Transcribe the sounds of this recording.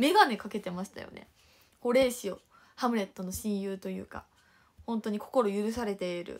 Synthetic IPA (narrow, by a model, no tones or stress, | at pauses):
me̞ɡane̞kake̞t̪e̞maɕi̥t̪a̰jo̰ne̞̰ | ho̞ɾe̞ːɕio̞ | hamɯ̟ɾe̞t̪ːo̞no̞ɕĩɰ̃jɯ̟ːt̪o̞jɯ̰ːka̰ | hõ̞nt̪o̞ɲ̟ikʰo̞ko̞ɾo̞jɯ̟ɾɯ̟s̬aɾe̞t̪e̞iɾɯ̟̰